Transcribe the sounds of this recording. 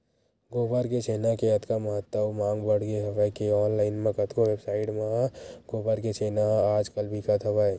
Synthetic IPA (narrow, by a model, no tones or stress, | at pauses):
ɡoːbəɾket͡ʃʰeːnakeɐt̪kaməɦət̪ːəmãːŋɡbəɽ̤ɡeɦɐʋajkeɔːnlaːɪnmẽkət̪koʋeːbsaːɪʈmãɡoːbəɾket͡ʃʰeːnaɦaːd͡ʒkəlbʱikət̪ɦɐʋae